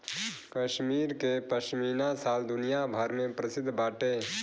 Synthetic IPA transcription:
kəʃmiːɾkepəʃmiːnasaːld̪ʊnijabʱəɾmẽpɾəsɪd̪ʱbaːʈe

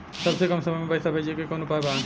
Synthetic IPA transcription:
səbsekəmsəməjmebəjsabʱed͡ʒiekekonopaɦebãn

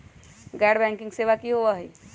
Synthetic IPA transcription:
ɡɛːɖbɛ̃ːŋkɪ̃ŋɡseːʋakiɦoʋaɦi

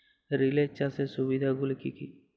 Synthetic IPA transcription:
ɾilet͡ʃasesʊbid̪ʱaɡʊlkiki

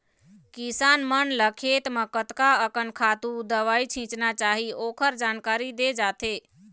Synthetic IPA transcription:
kisanmənləkʰet̪mekət̪kaəkənkʰat̪ud̪əʋait͡ʃʰĩt͡ʃnat͡ʃaɦiokʰəɾd͡ʒankaɾid̪ed͡ʒat̪e

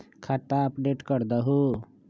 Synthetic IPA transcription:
kʰat̪ːaɐpɖeːʈkəɾd̪əɦu

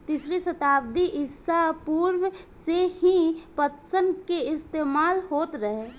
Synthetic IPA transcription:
t̪isɾisɐt̪aːb̚d̪iʔɪsapuːɾwsehĩpət̪sənkeɪst̪eːmaːlhoːt̪ɾəɦe

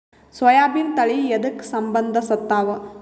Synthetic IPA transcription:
sʋɐjaːbint̪ɐɭied̪ɐksɐmbɐnd̪ʱɐsɐt̪ːaːʋɐ

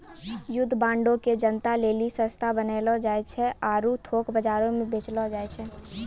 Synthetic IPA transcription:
jʊd̪ʱːbãːɳɖõked͡ʒənt̪aleːlisə̃st̪ʰabəneːlɔd͡ʒaːet͡ʃʰɛaːɾut̪ʰoːkbəd͡ʒaːɾõmẽbʱeːt͡ʃlɔd͡ʒaːet͡ʃʰɛː

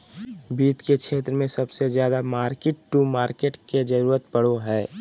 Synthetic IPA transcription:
biːt̪kekʃʰeːt̪ɾəmẽsəbsezjaːd̪amaːɾkeʈʈumaːɾkeʈked͡ʒəɾuːɾət̪pəɽ̤oɦɛː

